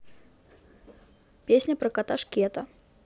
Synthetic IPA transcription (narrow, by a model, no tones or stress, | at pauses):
pʲesʲnʲɐpɾɐkɐt̪aʂkʲɛt̪ɐ